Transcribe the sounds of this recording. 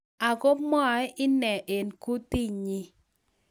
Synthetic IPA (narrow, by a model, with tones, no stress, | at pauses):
a˨ɡo˦pmɔ˦˨ɛ˦ʔɪ˦nɛ˨ʔe˨nku˦ti˦ɲi˦